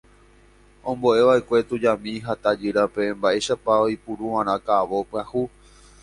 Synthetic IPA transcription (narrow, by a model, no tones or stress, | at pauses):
õmbo̞ʔe̞ʋaʔekʷe̞t̪ud͡ʒamĩɦat̪ad͡ʒɨɾapembaʔe̞ʃapaojpuɾuʋãɾ̃ãkaʋo̞pɨãhu